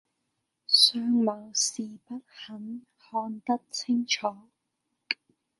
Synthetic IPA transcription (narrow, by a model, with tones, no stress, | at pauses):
sœː˧ŋmɐ˨˩wsiː˨pɐ˥t̚hɐ˨˥n | hɔː˧nt̪ɐ˥k̚t͡sʰɪ˥ŋt͡ʃʰɔː˨˦